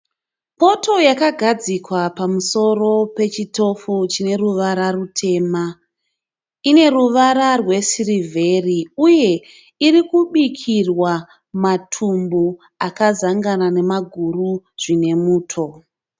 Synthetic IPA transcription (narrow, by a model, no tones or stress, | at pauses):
po̞to̞jakaɡʱad͡zikwapamuso̞ro̞pe̞t͡ʃito̞fut͡ʃine̞ruʋaɾarutʰe̞ːma | ine̞ruʋaɾarwe̞sirivʱe̞riuje̞ | iɾikuɓikʰirwa | matʰumbu | akazaŋɡanane̞maɡʱuruʐ̥ine̞muːtʰo̞